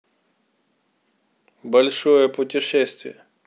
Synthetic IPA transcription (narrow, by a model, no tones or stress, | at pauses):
bɐlʲʂojəpʊtʲɪʂɛsʲt̪vʲɪ̰jə